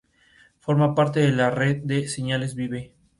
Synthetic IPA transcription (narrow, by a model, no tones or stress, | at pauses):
fo̞ɾmapaɾt̪eðelareðd̪eseɲale̞zβiβe